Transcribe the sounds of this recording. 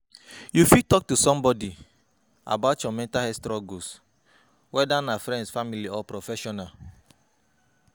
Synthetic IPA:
jufitɔk̚tusɔ̃mbɔdi | a̰batt͡ʃɔmɛ̃ntaɛstɾɔɡus | wɛdanafɾɛ̃ndsfamiliɔpɾɔfɛʃɔnal

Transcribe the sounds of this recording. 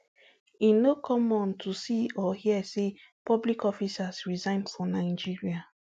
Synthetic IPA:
inokʰɔmɔ̃ntʰusiɔhiɛse | pɔblikɔfisasɹizãɪ̃ndfɹɔ̃naɪd͡ʒiɹia

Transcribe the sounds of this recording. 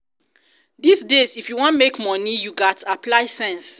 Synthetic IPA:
disdezifjuwɔ̃ntmekmɔnijuɡɔtaplaɪsɛ̃ns

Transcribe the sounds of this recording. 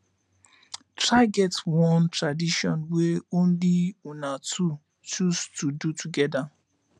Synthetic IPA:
tɾaɡɛtwɔ̃ntɹadiʃɔ̃nweõn̩liunatʰu | t͡ʃustudutʰuɡɛda

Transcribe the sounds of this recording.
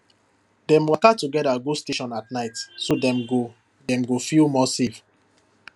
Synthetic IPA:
dɛ̃mwakatuɡɛdaɡosteʃɔ̃natnaɪtsodɛ̃mɡo | dɛ̃mɡofilmɔsev

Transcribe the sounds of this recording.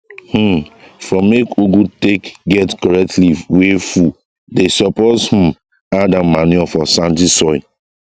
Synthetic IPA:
h̩fɔmekuɡutekɡɛtkɔɹɛk̚tliwefu | desɔpɔthũm | adamaniafɔsãnt̬isɔi

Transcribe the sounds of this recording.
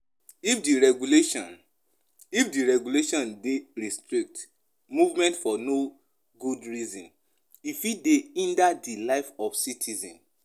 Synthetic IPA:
ifdiɹɛɡuleʃɔ̃n | ifdiɹɛɡuleʃɔ̃ndeɹistɾik̚t | muvmɛ̃ntfɔno | ɡudɹizɔ̃n | ifideĩndadilaɪfɔfsitʰizɔ̰̃n

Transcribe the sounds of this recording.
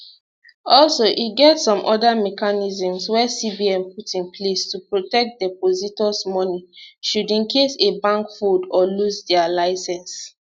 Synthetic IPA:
ɔlsoʔiɡɛtsɔ̃mʔɔdamɛkanizĩmswɛsibiɛ̃mputĩnpʰlestupɹotɛk̚t̚dɛpozitɔsmɔniʃudĩnkʰesebãŋkfudɔlusdɛalaɪsɛ̃ns

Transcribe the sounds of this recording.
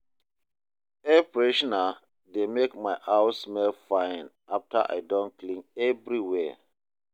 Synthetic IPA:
ɛpɹeʃɔna | demekmaɪʔawsmɛlfãɪn | afta̰ʔa̰ɪdɔ̃nklĩŋɛvɹiwɛ

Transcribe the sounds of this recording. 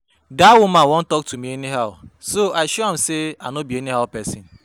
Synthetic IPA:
daawʊmãwɔn̩tɔk̚tumieniɦaʊsoaɪʃoam̩seanobieniɦaʊpɛsḭn

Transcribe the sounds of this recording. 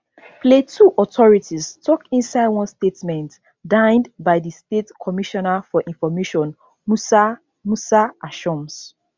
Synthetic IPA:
pletʰuʔɔtʰɔɹitʰistʰɔkĩnsaɪdwɔ̃nstetmɛ̃nt | dãɪ̃ndbaɪðistetkʰɔmiʃɔnafɔʔĩnfɔmeʃɔ̃n | musa | musaʔaʃɔ̃ms

